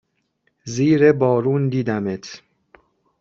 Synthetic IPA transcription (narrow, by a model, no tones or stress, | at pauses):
ziːɾebɒːɾuːnd̪iːd̪æmet̪ʰ